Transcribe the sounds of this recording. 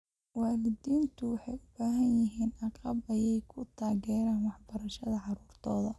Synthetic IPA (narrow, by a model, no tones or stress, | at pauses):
waːlɪd̪iːnt̪ʰʊwɑħɑjʊb̥aːɦɐnjɪɦiːnɑqɑbɐjɛjkʰʊt̪ʰaːɣɛːɾaːnwɑħbɐɾɐʃɐðɐʕɑɾuːrt̪ʰɔːðɐ